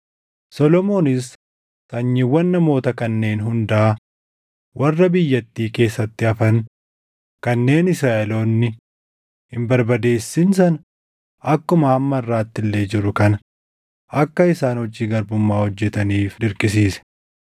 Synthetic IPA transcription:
sɔlɔmo̞ːnɪs | t̪ɐɲːɪwːɐnːɐmo̞ːt̪ɐkɐnːe̞ːnɦʊnd̪ɐʔɐ | wʔɐrːɐbɪjːɐt̪ːiːke̞ːsːɐt̪ːɪɐfɐn | kɐnːe̞ːnɪsɾaːʔɛlo̞ːnːɪ | hɪmbɐɾbɐd̪e̞ːsːɪnsɐn | ɐkːʊmɐːmːɐrːaːt̪ːɪlːe̞ːd͡ʒɪɾʊkɐnɐ | ɐkːɐɪsaːnhɔd͡ʒiːɡɐɾbʊmːaːhɔd͡ʒːɛt̪ɐniːfd̪ɪɾkʼɪs̬iːsɛ̥

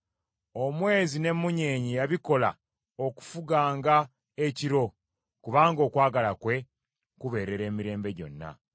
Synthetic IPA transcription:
o̞mwe̞ːzine̞mːuɲeːɲijaβiko̞la̰ | o̞ku̥fuɡaːŋɡa | eciɾo̞ | kuβaːŋɡo̞ːkwaːɡalakwe̞ | kuβe̞ːɾe̞ɾe̞ːmiɾe̞ːmbe̞ɟo̞̰nːa̰

